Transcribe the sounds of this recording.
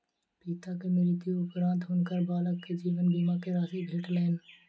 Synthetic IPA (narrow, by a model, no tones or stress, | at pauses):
piːt̪akemɪɾit̪ijoʊpɾãːnt̪ɦʊnkəɾbaːləkːd͡ʑiːʋənbiːmaːkeɾaːsibʱeːʈlɐɦɪnɪ̆